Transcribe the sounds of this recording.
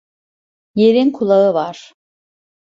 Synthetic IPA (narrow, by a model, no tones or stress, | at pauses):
jeɾinkʰulˠaɯvaɾ̥